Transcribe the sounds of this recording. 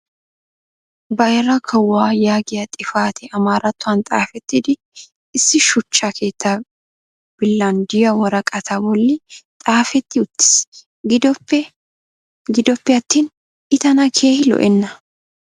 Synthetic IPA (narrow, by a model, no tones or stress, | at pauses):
bɐjɾɐkʰɐwːaːjaːɡɪjɐt̪ʼɪfaːt̪ʰɛɐmaːɾɐt̪ːʊɐnt̪ʼa̰ːfɛt̪ːɪd̪ɪ | ɪsːɪʃʊt͡ʃːakʰe̞ːt̪ːa | b̥ɪlːɐnd̪ɪjɐwɐɾɐkʼɐt̪ʰabɔlːɪt̪ʼaːfɛt̪ːɪʊt̪ːɪ̥s | ɡd̪ | ɡɪd̪ɔpːɛjɐt̪ːiːn | ɪt̪ɐnɐkʰe̞ːhɪlɔ̰ʔɛnːɐ